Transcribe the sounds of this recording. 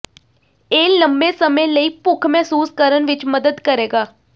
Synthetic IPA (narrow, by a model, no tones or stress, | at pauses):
eːləmbeːsəmẽːləiːpʊkʰmɛːsuːskəɾənʋɪt͡ʃməd̪əd̪kəɾeːɡaː